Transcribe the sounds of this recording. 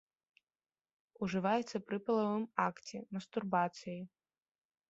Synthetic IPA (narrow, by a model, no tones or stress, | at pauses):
uʐɨvajɛt̪sːɐpɾɨpɐlˠɐvɨmakt͡sʲɛmɐst̪urbat̪sɨji